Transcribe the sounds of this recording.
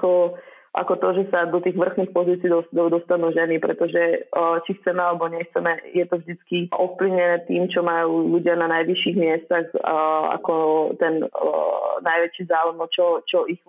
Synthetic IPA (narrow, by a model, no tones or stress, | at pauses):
kɔ | ʔa̰kɔt̪ɔʒɛsad̪ɔt̪iːɣʋr̩xniːxpɔziːt͡siːd̪ɔd̪ɔst̪anuːʒɛnipɾɛt̪ɔʒɛt͡ʃixt͡sɛmɛalɛbɔɲɛxt͡sɛmɛjɛt̪ɔvʒd̪it͡skiʔɔfpliʊɲɛnɛːt̪iːmt͡ʃɔmajuːʎuɟɪananajʋiʃiɣmɪɛst̪aɣa̰kɔt̪ɛn | najʋɛt͡ʃiːzaːujmɔt͡ʃɔt͡ʃɔʔiɣ